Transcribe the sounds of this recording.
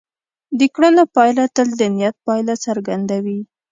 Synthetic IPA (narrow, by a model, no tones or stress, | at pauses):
d̪əkɽənapɑjlat̪əld̪ənijat̪̚pɑjlat͡saɾɡand̪awi